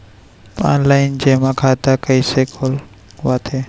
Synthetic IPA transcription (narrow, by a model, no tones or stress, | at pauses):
a̰ːnlaːɪnd͡ʒeːmãkʰaːt̪akəisekʰol | ʋaːt̪ʰeː